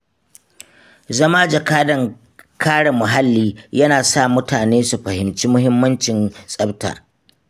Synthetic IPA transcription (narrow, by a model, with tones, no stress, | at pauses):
zɐ˦maː˦d͡ʒɐ˨kaː˦dɐ˨ŋ | kʰaː˦ɽa˨mʊ˨ɦa˦lːiː˦jɐ˦naː˨sa˦˨mʊ˦taː˨neː˦su˨ɸɐ˨hɪ˨mt͡ʃiː˦mʊ˦ɦɪ˦mːɐ˦nt͡ʃɪ˨nsʼɐ˦bta̰ː˨